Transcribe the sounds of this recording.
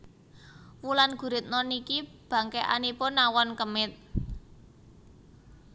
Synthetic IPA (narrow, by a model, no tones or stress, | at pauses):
wulanɡ̥ṳɾɪt̪̚nɔnikib̥ä̤ŋkeʔa̰nipʊnːawɔnkəmɪt̪̚